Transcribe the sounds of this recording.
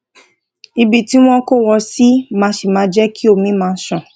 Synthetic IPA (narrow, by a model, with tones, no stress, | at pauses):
i˧bi˨ti˦w̃ɔ̃˦ko˦wɔ˧si˦mãː˧˦ʃe˨mãː˨˦d͡ʒɛ˦kʰi˦o˧˨mĩ˦mãː˧˦sɔ̃˨